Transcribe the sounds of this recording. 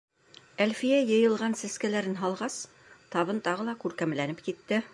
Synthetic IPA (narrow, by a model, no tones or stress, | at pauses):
ælfijæjɤ̆jɤ̆lˠʁɑnsæskælæɾɘnɦɑlˠʁɑs | t̪ɑβɤnt̪ɑʁɤ̆lˠɑkʉɾkæmlænɘpkit̪ːɘ